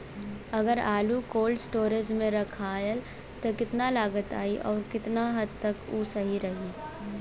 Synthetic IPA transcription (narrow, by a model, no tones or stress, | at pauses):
ɐɡəɾaːlukoːlɖsʈoːɾəd͡ʒmẽɾɐkʰaːjəl | t̪okɪt̪nalaːɡət̪a̰ːiʔɔːɾkɪt̪naɦɐd̪̚t̪ɐkuːsɐɦiɾɐɦi